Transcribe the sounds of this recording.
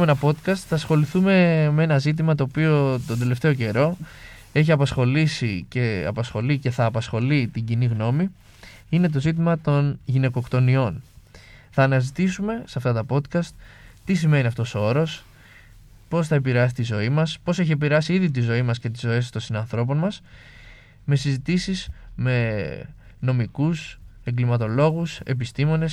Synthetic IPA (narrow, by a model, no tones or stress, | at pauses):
menɐpo̞t̪kɐst̪θɐsxo̞liθume̞mee̞nɐzit̪̬imɐt̪o̞ːpio̞t̪ond̪e̞le̞ft̪e̞oce̞ɾo̞ | e̞çiɐpɐsxo̞lisice̞ɐ̰pɐsxo̞lice̞θɐːpɐsxo̞lit̪iɟiniɣno̞mi | ine̞t̪̬o̞zit̪̬imɐt̪o̞nʝine̞ko̞kt̪o̞nio̞n | θɐːnɐzit̪isume̞sɐft̪ɐt̪ɐpo̞t̪kɐst̪̚t̪isime̞niɐft̪o̞soo̞ɾo̞s | po̞sθɐep̬iɾeɐs̬i̥t̪izo̞imɐspo̞se̞çie̞piɾeɐsiiðit̪̬izo̞imɐsce̞t̪̬izo̞e̞st̪o̞nsinɐnθɾo̞p̬o̞nmɐs | me̞sizit̪isizme̞ | no̞mikuse̞ŋɡlimɐt̪o̞lo̞ɣuse̞̰pist̪imo̞ne̞s